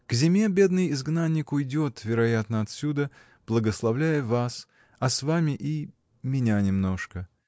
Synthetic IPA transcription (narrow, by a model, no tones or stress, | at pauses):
ɡ̥zʲɪmʲe̞bʲe̞d̪nɨjɪzɡnanʲːɪkʊjdʲo̞t̪vʲɪɾɐjat̪nəɐt̪sʲud̪ə | b̥lˠəɡəslˠɐvlʲæjəvas | ɐsvamʲɪʔi | mʲɪnʲanʲɪmno̞ʂkə